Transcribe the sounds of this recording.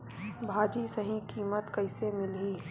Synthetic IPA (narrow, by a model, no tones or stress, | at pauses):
bʱaːd͡ʒisəɦĩkiːmət̪kɐɪsemɪlɦiː